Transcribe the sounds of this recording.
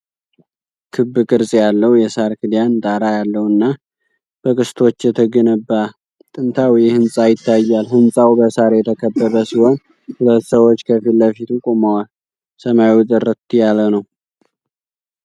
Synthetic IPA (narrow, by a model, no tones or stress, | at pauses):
kʰɨbːkʼɨɾsʼjalːəwjɛsaɾkʰɨd̪jant̪ʼaɾajalːəwɨnːa | b̥əkʼɨst̪ʰo̞t͡ʃːjɛt̪ʰəɡənəbːa | t̪ʼɨnt̪ʰawjɛhɨnsʼajɪt̪ʰːajːalhɨnsʼawbəsaɾjɛt̪ʰəkʰəbːəβəsiho̞n | hulət̪ːsəwot͡ʃːkʰəfilːəfit̪ʰukʼomawal | səmajiwut̪ʼɨrːət̪jalənəw